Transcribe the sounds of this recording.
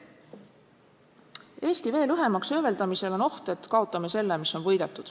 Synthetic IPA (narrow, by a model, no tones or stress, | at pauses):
e̞ːst̪ive̞ːlyɦe̞mɑksøve̞ld̪ɑmise̞lo̞no̞ht̪et̪kɑo̞t̪ːˑɑme̞se̞lːemiso̞nvɤjd̪̥e̞t̪ːud̪̥